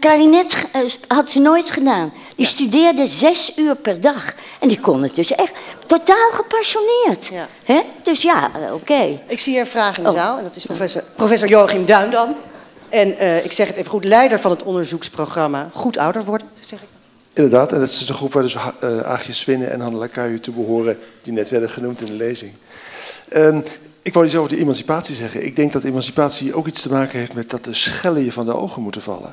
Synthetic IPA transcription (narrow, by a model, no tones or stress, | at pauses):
karinɛthɑtsənoːjtχədaːn | distydɪːrdəzɛsyːərpɛrdɑχ | ʔɛndikɔnət̚døsɛχttːotaːlˠχəpasjonɪːərt | hɛd̥øsjao̰keːɪksiiɹənvraːχɪndzaːlˠɛndɑtɪsɛprofɛsoːɹjoːχɪmdœɥndɑn | ɛnəɪksɛχətejvəχutlɛjdəɹvɑnɦətɔndəɹzuksproχrɑmaχutɑ̰wdəɹʋɔɹdənz̥ɛχɪk | ɪndəɹdaːtɛndɑtɪɪsənχrupʋaːdɵsa̰ːχjəsʋɪnə̰ʔɛ̰nɦɑndəlakœɥətubəɦʊːrəd̥inɛtʋɛɹdəχənumtɪndəlejzɪŋ | ə | ɪkʋɪlˠjəzɛlˠfdəʔemɑnsipaːtsizɛχənɪ̰ɡ̚dɛŋk̚dɑt̚dəemɑnsi̥paːtsiʔowkitstəmaːkənɦejftmɛt̚dɑt̚dəsχɛləjəvɑndəo̰wχənmutəvɑ̰lə̰n